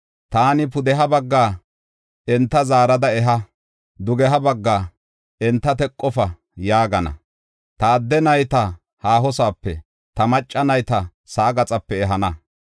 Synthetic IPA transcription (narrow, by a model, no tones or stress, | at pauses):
t̪aːnɪpʊd̪ɛɦɐbɐɡːaː | ɛnt̪ːɐzaːɾɐd̪ɐɛɦɐ | d̪ʊɡɛɦɐbɐɡːaː | ɛnt̪ːɐt̪ɛkʼːɔfɐ | jaːɡɐnɐ̰ | t̪ɐːd̪ːɛnɐjt̪ɐ | haːɦɔsaːpːɛ̰ | t̪ɐmɐt͡ʃʼːɐnɐjt̪ɐ | sɐʔːɡɐt͡sʼɐpːɛɛɦɐnɐ